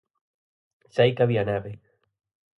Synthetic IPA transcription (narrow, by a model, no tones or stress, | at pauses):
sajkaβianaβe